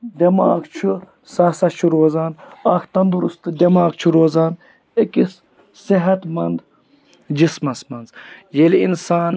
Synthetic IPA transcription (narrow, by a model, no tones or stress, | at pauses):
d̪ʲɐmaːɡt͡ʃʰu | saːsɐt͡ʃʰuɾoːzaːnakʰt̪ɐnd̪uɾust̪ɨd̪ʲɐmaːɡt͡ʃʰuɾoːzaːn | ekis | siɦɐt̪mɐnd̪ | d͡ʒismɐsmɐnzjelḭnsaːn